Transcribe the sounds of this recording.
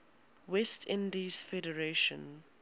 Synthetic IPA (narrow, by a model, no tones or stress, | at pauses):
wɛstʰɪ̃ndisfɛdəɹeʃɔ̰̃n